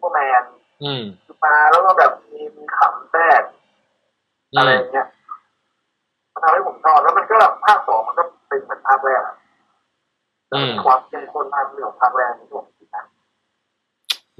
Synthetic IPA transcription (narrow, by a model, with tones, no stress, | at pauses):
o˧˩mɛː˧n˩ | kɯː˧˩maː˧lɛː˦˥wkɔː˥˩bɛː˨˩p̚miː˧miː˧kʰa˨˩˦msɛː˥˩k̚ | ʔa˧ɾa˧jːa˨˩ŋːi˦˥ɐ˨ | ma˧˩t̪ʰa˧mha˥˩pʰo˨˩˦msʰɔː˥˩p̚lɛ˦˥ma˧nkɔː˥˩bɛ˨˩hʰaː˥˩sɔː˩˦ŋa˧kɔ˥˩pe˧nmɯ˨˩˦npʰaː˧˩wɛː˧˩˧ | lɛː˧˩a˨miː˧˩kʰwaː˧˥˩mti˧ŋ˧kʰo˧nt̪ʰa˧mlɯ˧˩ə˩ŋp̪ʰaː˧˩wɛː˧n˧ɾu˧˩əŋm˨tʰi˧˩na˦˥